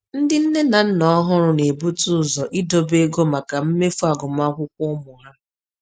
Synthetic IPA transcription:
n̩˦dɪ˦n̩˦ne˦na˨n̩˦nɔ˦ɦʊ˦ɾʊ˦ne˨bu˦tʊ˦˨zɔ˨ʔi˦do˦be˦ɡo˦ma˨ka˨m̩˦me˦fu˦a˨ɡʊ˨m˦a˦kʷʊ˦kʷʊ˦mʊ˨ɦa˦

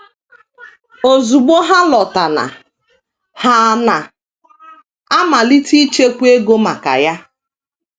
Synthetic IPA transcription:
o˨zu˨ɡ͡bo˦ɦa˦lɔ˨ta˨na̰˨ | ha˦˨na˨ | a˦ma˨li˦tʰi˦t͡ʃe˦kʷe˦ɡo˦ma˨ka̰˨ja˦

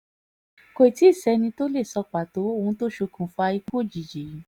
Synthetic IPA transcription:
ko˧˨ti˨˦i˦˨sɛ˧˦nĩ˧to˦le˦˨sɔ˧k͡pa˨to˨˦o˦˨ũ˧˦to˦ʃo˧kʰũ˨fa˧i˧ku˦˨d͡ʒi˨d͡ʒi˨ji˨˦

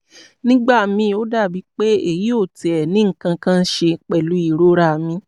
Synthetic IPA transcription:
nĩ˦ɡ͡ba˦˨mĩ˧o˦da˦˨bi˨˦k͡pe˦e˨ji˨˦o˦˨ti˨ɛ˨nĩ˦ŋ̩˦˨kã˧kã˦˧n̩˦ʃe˧k͡pɛ˨lu˨˦i˦˨ɾo˦ɾa˦˨mĩ˧

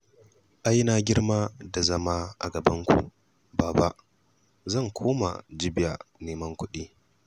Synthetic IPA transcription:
ʔa˦jnaː˦ɡʲɪ˦ɽmaː˦da˨zɐ˦maː˦ʔa̰˨ɡɐ˨bɐ˦ŋkʷṵ˨ | baː˨ba˦ʔ | zɐ˦˨ŋkʷʰoː˦ma̰˨d͡ʒɪ˦bɪ˦˨ja˨neː˨mɐ˦ŋkʷʊ˦ɗiː˦

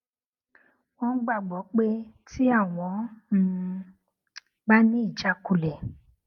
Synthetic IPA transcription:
wɔ̃˧n̩˦ɡ͡ba˦˨ɡ͡bɔ˨˦k͡pe˦ti˦a˦˨w̃ɔ̃˨˦˧ | ba˦nĩ˦i˦˨d͡ʒa˧˦ku˧˨lɛ˨

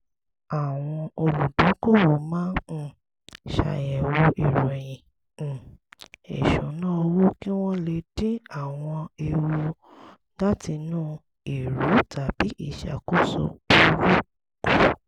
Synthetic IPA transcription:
a˦˨w̃ɔ̃˧o˧lu˨dɔ̃˨˦ko˦˨wo˨mãː˦˨ | ʃa̰˨jɛ˨wo˧ʔi˨ɾũ˨jĩ˨ | ḛ˨ʃũ˨˦nã˦o˧wu˦ki˦w̃ɔ̃˦le˧dĩ˦a˦˨w̃ɔ̃˧e˧wu˧ | d͡ʒa˦tʰi˧nũː˦ | i˨ɾu˨˦tʰa˨b̥i˨˦ʔi˦˨ʃa̰˨ko˦so̰˧bu˨˧˦wu˦˨ | ku˨

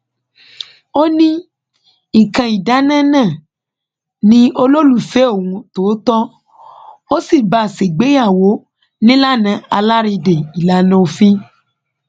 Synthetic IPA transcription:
o˦nĩ˦ | i˨kã˧i˨da˨˦nã˦nãː˦˨ | nĩ˨˦o˧lo˦lu˦˨fe˨˦o˦˨wũ˧to˨˦tɔ˦ | o˦si˦˨ba˨se˨ɡ͡be˨˦ja˦˨wo˨˦ | nĩ˦la˦nã˧a˧la˦ɾi˧de˨i˨la˨˦nõ˦o˧fĩ˦

